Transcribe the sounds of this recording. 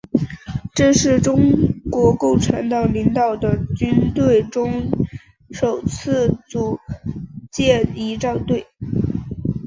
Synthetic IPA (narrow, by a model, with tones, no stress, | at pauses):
ʈ͡ʂɤ˥˧ʂɻ̩˥˩ʈ͡ʂʊ˥ŋkwɔ˧˥ko˥˩ʊʈ͡ʂʰa˧˥nt̪ɑ˨˩ʊli˧˥ŋt̪ɑ˨˩ʊd̪ə˩t͡ɕy˥nt̪we˥˩ɪʈ͡ʂʊ˥ŋ | ʂo˨˩ʊt͡sʰɹ̩˥˧t͡su˨˩ | t͡ɕjɛ˥˩i˧˥ʈ͡ʂɑ˥˧ʊt̪we˥˩ɪ